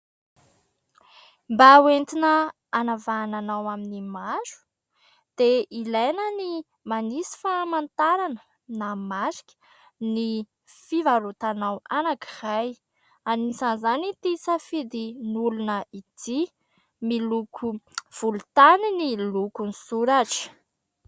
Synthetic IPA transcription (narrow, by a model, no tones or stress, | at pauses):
mbawent̪inəː | navananawaminimaɾu̥ | d̪̥eilajnəni | manisi̥famant̪aɾanə̥ | namasi̥kʲə̥ | ni | fivalut̪anawanakiraj | aniizanzanit̪isafid̪inulunəit̪i | milukʰuv̥ulut̪aninilukunisuɾaʈ͡ʂə̥